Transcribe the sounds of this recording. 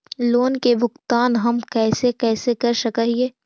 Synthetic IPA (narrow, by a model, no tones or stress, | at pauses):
loːnkebʱʊxt̪aːnɦɐmkɛːsekɛːsekɐɾʃɐkəɦieː